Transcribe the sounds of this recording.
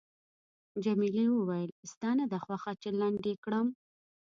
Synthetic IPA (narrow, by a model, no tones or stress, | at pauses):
d͡ʒamiliwəwajəlst̪ɑnad̪axwaxat͡ʃelɑɳɖekɽəm